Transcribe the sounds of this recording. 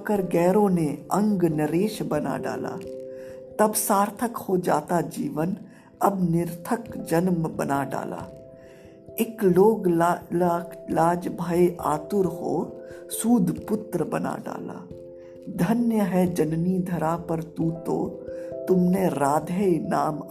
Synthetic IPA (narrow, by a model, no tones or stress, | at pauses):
kəɾɡɛːɾõneɐ̃ŋɡnəɾeːʃbɐna̰ɖa̰ːla̰ː | t̪ɐbsaːɾt̪ʰəkhod͡ʒaːt̪ad͡ʒiːʋən | ɐbnɪɾt̪ʰəkd͡ʒənmbənaɖa̰ːla̰ː | ɪkloːɡlːlaːd͡ʒbʱaːeʔaːt̪ʊɾɦo̰ːsuːd̪ʱpʊt̪ɾəbɐna̰ɖa̰ːla̰ː | d̪ʱənjəɦɛd͡ʒənnid̪ʱɐɾapəɾt̪uːt̪o̰t̪ʊmneɾaːd̪ʱəenaːm